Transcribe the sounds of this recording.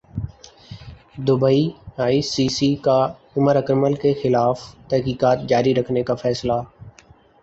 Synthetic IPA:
d̪ʊbəiaːisiːsiːkaː | ʊməɾəkɾməlkexɪlaːft̪ɐɦkiːkaːt̪̚d͡ʒaːɾiɾəkʰnekaːfʰɛːslaː

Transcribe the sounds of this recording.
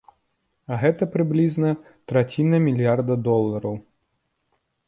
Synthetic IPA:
ɐɣɛt̪ɐpɾɨblʲiznɐ | t̪ɾat͡sʲinɐmʲilʲijard̪ɐd̪ɔlˠːɐɾɐw

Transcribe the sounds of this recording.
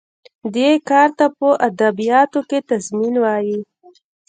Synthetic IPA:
d̪ekɑɾt̪apəʔad̪abijɑt̪oket̪azminwɑji

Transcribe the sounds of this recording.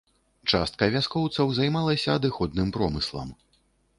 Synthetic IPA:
t͡ʂa̰st̪̚kɐvʲaskɔwt̪sɐwzajmalˠɐsʲɐːd̪ɨxɔd̪̚nɨmpɾɔmɨslˠɐ̰m

